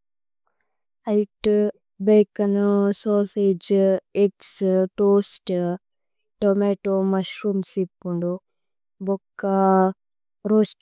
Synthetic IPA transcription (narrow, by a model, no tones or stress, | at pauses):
ɐiʈ | beːkɐnusoːsed͡ʒeksʈoːsʈ | ʈomeʈomɐʃɾumsipːuɳɖu | bokːa | ɾoːs